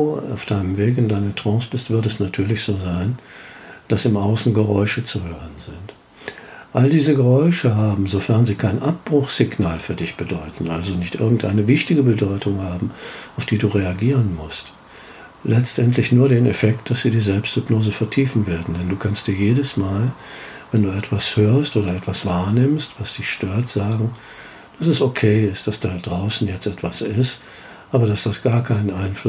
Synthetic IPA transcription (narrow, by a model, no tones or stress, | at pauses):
ua̰ʊfd̥aɪnəmveːkɪndaɪnətʁ̥ɔ̃ːsb̥ɪstv̥ɪɐtɛsnatʰyːɐlɪçz̥oːzaɪn | d̥asɪmʔaʊsn̩ɡəʁɔʏʃət͡suhøːʁənzɪnt | ʔaldiːzəɡəʁɔʏʃəɦaːbm̩zofɛɐnziːkʰaɪnʔap̚b̥ʁʊχz̥ɪɡnaːlfyːɐdɪçb̥ədɔʏtn̩ʔalzonɪçtʔɪɐɡŋ̩tʔa̰ɪnəvɪçtɪɡəbədɔʏtʊŋhaːbm̩aʊfd̥iːduːʁeaɡiːʁ̞ənmʊst | lɛt͡stʔɛntlɪçnuːɐdeːnɛfɛkt̚d̥asz̥iːdiːzɛlpstz̥ʏbnoːzəfɛɐtʰiːfn̩veːɐdn̩dɛnduːkʰanstd̥iːɐjeːɾəsmaːlvɛnduːɛtv̥ashøːɐstʔoːɾɐɛtv̥asv̥aːɐnɪmstv̥asd̥ɪçʃtøːɐtz̥aːɡŋ̩ | d̥asɛsokʰeːɪstd̥asd̥aːdʁaʊsn̩jɛt͡stʔɛtv̥asɪst | ʔaːbɐɾasd̥asɡ̥aːɐkʰaɪnənʔaɪnflʊ